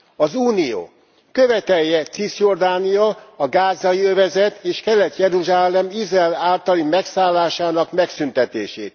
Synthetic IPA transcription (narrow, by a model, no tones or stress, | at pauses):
ɒzuːnijo̰ː | kø̞vɛt̪ɛjjːɛt̪sisjo̞rd̪aːniɒɒɡaːzːɒjiøvɛzɛt̪eːʃkɛlɛt̪jɛɾuʒaːlːɛmizrɛɛlaːlt̪ɒlimɛksaːlːaːʃaːnɒkmɛksynt̪ɛt̪eːʃḛːt̪